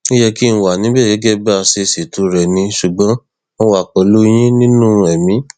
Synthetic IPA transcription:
i˦jɛ˧ki˦ñ̩˧wa˨nĩ˨˦bɛ˦˨ɡɛ˨˦ɡɛ˦ba˦˧se˧se˨tu˧˦ɾɛ˨nĩ˧ʃu˨ɡ͡bɔ̃˨˦ | ɔ˦wa˦˨k͡pɔ˨lu˦j̃ĩ˦nĩ˦nũ˦˧ɛ˨mĩ˨˦

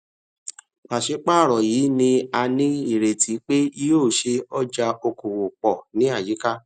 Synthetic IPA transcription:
k͡pa˨ʃe˨˦k͡pa˦˨ɾɔ˨jiː˨˦nĩ˧a˧nĩ˦i˦˨ɾe˨tʰi˨˦k͡pe˦i˦˧joː˦˨ʃe˧ɔ˦d͡ʒa˧o˧ko˨wo˨k͡pɔ˨nĩ˨˦a˦˨d͡ʒi˨˦ka˦

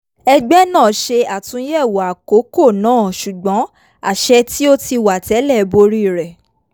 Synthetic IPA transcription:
ɛ˧ɡ͡bɛ˦nãː˦˨ʃe˧a˨tũ˨˧˦jɛ˦˨wo˨a˨ko˨˦ko˦˨nãː˦˨ʃu˨ɡ͡bɔ̃˨˦ | a˦˨ʃɛ˧ti˦o˦ti˧wa˨tɛ˨˦lɛ˦˨bo˧ɾi˦˨ɾɛ˨

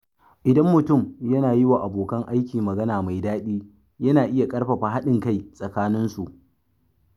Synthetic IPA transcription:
ʔɪ˨dɐ˦mːʊ˨tʊ˦˨mjɐ˦naː˨jɪ˦waː˨ʔa˨boː˨kɐ˦ŋʔa˦jkʲiː˨mɐ˨ɡɐ˦naː˨ma˨jdaː˦ɗiː˦ | jɐ˦naː˨ʔɪ˦ja˨kʼɐ˦ɽɸɐ˨ɸaː˦ɦa˦ɗɪ˨ŋka˦jsʼɐ˨kaː˦nɪ˦nsu˨ʔ

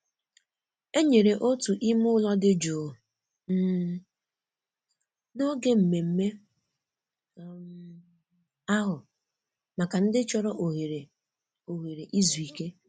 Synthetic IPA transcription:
e˦ɲe˨ɾe˨ʔo˦tu˨ʔi˦mʊ˦lɔ˦dɪ˦d͡ʒoː˨ | m̩˦ | no˦ɡe˦m̩˨me˨m̩˦me˦ | a˦ɦʊ˨ | ma˨ka˨n̩˦dɪ˦t͡ʃɔ˦ɾɔ˦ʔo˨ɦe˨ɾe˨ | o˨ɦe˨ɾe˨ʔi˦zu˨i˨ke˦

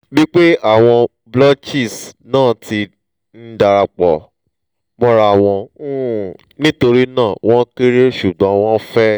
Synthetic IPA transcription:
bi˦k͡pe˦a˦˨w̃ɔ̃˧ | blɔ˦t͡ʃi˦˨snãː˦˨tʰi˧ | n̩˦da˧ɾa˧k͡pɔ˨ | mɔ̃˦ɾa˧˨w̃ɔ̃˧˦ | nĩ˦to˧ɾi˦nãː˦˨w̃ɔ̃˦ki˦ɾe˦ʃu˨ɡ͡bɔ̃˨˦w̃ɔ̃˦fɛ˦

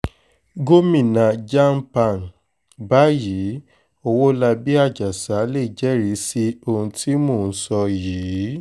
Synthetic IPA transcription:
ɡo˦mĩ˦˨nã˨d͡ʒa˦m̩˦pa˨n˨ | ba˦jiː˨˦ | o˧wo˦la˧bi˦a˦˨d͡ʒa˨sa˨˦le˦˨d͡ʒɛ˦ɾi˨˦si˦o˧hũ˧ti˦mo˦˨n̩˨˦sɔ˧jiː˨˦

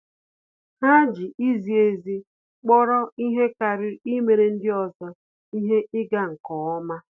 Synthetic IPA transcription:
ha˦d͡ʒi˨i˦zi˨e˨zi˦ | k͡pɔ˦ɾɔ˦i˦ɦe˦ka˨ɾɪ˦i˦me˨ɾe˨n̩˦dɪ˦ɔ˨zɔ˦ | i˦ɦe˦ʔɪ˦ɡa˦ŋ̩˨kɔ˨ɔ˦ma˦

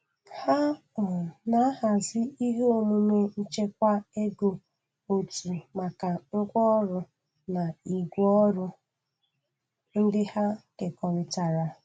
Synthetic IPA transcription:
ha˦ | ɔ˨na˨˦ɦa˨zɪ˦i˦ɦe˦o˨mu˦me˦n̩˦t͡ʃe˦k̚ʷa˦e˦ɡo˨ | o˨tu˨ma˨ka˨ŋ̩˦kʷɔ˦ɾʊ˨ | na˨i˨ɡʷɔ˦ɾʊ˦ | n̩˦dɪ˦ha˦ke˨kɔ˨ɾɪ˨ta˨ɾa˨

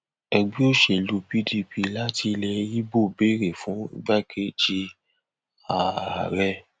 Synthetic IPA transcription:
ɛ˧ɡ͡bi˦o˦ʃe˧˨lu˨˧pi˦di˧pi˧la˦ti˧lɛ˧˦ji˦bo˦˨be˦ɾe˨fũ˨˦ḭ˧˦ɡ͡bɛ˦˨kʰe˦d͡ʒi˧ | a˨a̰˨ɾɛ˦

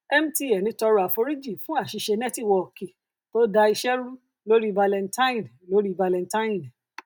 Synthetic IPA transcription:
ɛ˦m̩˦ti˦ɛ˨nĩ˨˦tɔ˧ɾɔ˧˨a˨fo˧ɾi˦d͡ʒi˦˨fũ˨˦a˦˨ʃi˧ʃe˧nɛ̃˦ti˦˨wɔ˧˨ki˨ | to˦da˧i˧ʃɛ˦ɾu˦ | lo˦ɾi˦va˧lɛ˧nta˦ĩ˦˨n˨lo˨˦ɾi˦va˧lɛ̃˧nta˦ĩ˦˨n

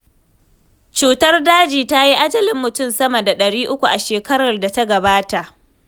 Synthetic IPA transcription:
t͡ʃuː˨tɐ˦rdaː˦d͡ʒiː˨ta˦ji˦ʔa˦dɐ˦lɪ˨mːʊ˨tʊ˦˨msɐ˦mɐ˨da˨ɗɐ˨ɽiː˦ʔʊ˦kʷu˨ʔa˨ʃeː˨kɐ˦ɽɐ˨rda˨ta˦ɡɐ˨baː˦ta˨ʔ

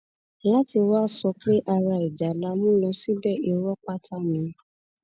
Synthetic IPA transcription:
la˦ti˧waː˦˨sɔ˧kle˦ʔa˧ɾa˧i˨d͡ʒa˨la˧˦mũ˦nɔ̃˧˦si˦bɛ˦˨i˧wɔ˦k͡pa˦tʰa˦mĩ˨˦

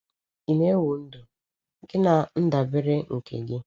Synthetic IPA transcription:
i˨me˦wʊ˨n̩˦dʊ˨ | ŋ̩˦ɡɪ˦na˨n̩˦da˨bɪ˦ɾɪ˦ŋ̩˨kḛ˨ɡɪ˦

